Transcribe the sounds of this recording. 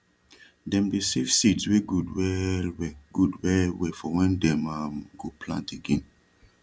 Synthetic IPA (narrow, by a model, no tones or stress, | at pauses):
dɛ̃mdesev̥sitsweɡudwɛlwɛɡudwɛlwɛfɔwɛ̃ndɛ̃mamɡopʰlã̰nteɡĩn